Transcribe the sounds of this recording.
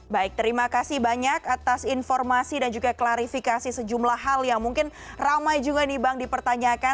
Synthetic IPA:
baɪk̚t̪əɾimakasɪhbaɲakat̪asinfɔrmasidand͡ʒuɡaklaɾifikasisəd͡ʒumlahɦaljaŋmuŋkɪn | ramajd͡ʒuɡainibaŋdipərt̪aɲaka

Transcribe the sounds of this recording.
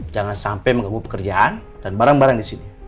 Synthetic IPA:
d͡ʒaŋansampajməŋabupə̥kərd͡ʒaan | d̥anbaɾaŋbaɾaŋdisini

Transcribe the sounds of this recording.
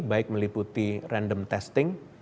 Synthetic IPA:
k̚baɪk̚məliput̪irɛndəmt̪ɛst̪ɪŋ

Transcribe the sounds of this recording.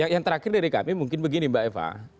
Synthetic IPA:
jaŋjaŋt̪əɾakɪrdaɾika̰mimuŋkɪnbəɡinimbaʔɛpa̰

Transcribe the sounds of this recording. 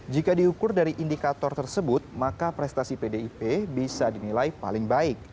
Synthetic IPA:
d͡ʒikadiukʊrdaɾiʔindikat̪ɔrt̪ərsəbʊt̪̚makapɾɛst̪asipedeipebisadinilajpa̰lɪŋbaɪk̚

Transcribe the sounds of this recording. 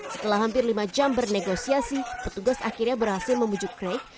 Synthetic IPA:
sə̥t̪əlahɦampɪrlimad͡ʒambərneɡosiasipət̪uɡasa̰kirɲabərhasɪlˠməmud͡ʒukɾek̚

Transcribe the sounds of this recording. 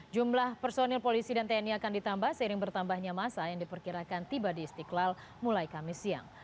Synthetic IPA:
d͡ʒumlahpɛrsonɛlpolisidant̪eɛniakandit̪ambahsəiɾɪŋbərt̪ambahɲamasajaŋdipərkiɾakant̪ibadiːst̪iklal | mulajkamɪsia̰ŋ

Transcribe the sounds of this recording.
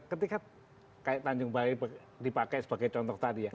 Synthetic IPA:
kət̪ika | kajaʔt̪aɲd͡ʒʊŋbaib | dipakɛjsəb̥aɡajt͡ʃɔnt̪ɔht̪adija

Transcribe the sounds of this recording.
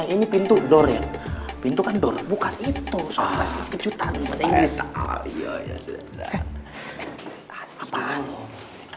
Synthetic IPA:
inipint̪udɔrja̰ | pint̪ukandɔrbukanit̪usoɾaskət͡ʃut̪anmaaiɡisia̰ja̰s | aapalo

